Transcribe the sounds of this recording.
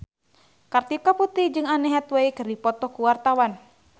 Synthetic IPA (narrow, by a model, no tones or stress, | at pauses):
kart̪ikaput̪id͡ʒɨŋanɛɦɛt̪weikərdipɔt̪ɔkuwart̪awan